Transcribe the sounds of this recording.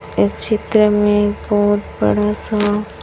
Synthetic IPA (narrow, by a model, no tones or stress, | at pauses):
ɪst͡ʃʰɪt̪ɾəmẽbɔːt̪bɐ̰ɽasaa